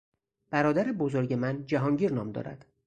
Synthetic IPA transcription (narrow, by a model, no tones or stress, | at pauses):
b̥æɾɒːd̪æɾebozoɾɟe̞mænd͡ʒæɦɒːŋɟiːɾnɒːmd̪ɒ̰ːɾæ̰d̪̥